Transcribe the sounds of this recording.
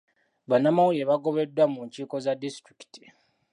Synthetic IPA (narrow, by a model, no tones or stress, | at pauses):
βanːamawujeβaɡo̞βe̞dwamuːɲciːko̞zadistɾiki̥ti̥